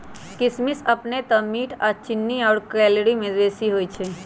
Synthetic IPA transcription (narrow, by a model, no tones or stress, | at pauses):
kɪsmɪsɐpnet̪ɐmːiːʈʰaːt͡ʃɪnːiɔːɾkɾɛːlɾimẽd̪eːsiɦoːit͡ʃʰɛː